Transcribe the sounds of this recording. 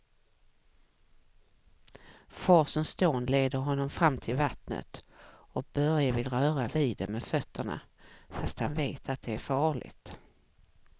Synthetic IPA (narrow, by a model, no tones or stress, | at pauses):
fɑːʂɔmst̪oːnleːd̪əɾɦɔnːɔmfɾamːt̪ʰɪlvat̪nə̰t̪ɔk̚b̥œɾjavɪlɾœːɾaviːd̪ɛ̰mːɛfœt̪ʰːəɳa̰ | fast̪hanveːt̪ʰat̪̚d̪ɛæɾfɑːɭɪ̰ɡt̪